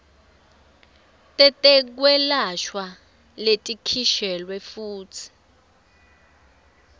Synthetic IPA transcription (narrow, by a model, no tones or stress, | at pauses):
tʼɛtʼɛk̬wɛlaʃwa | letʼikʰiʃɛlwɛfuːt͡sʰi̥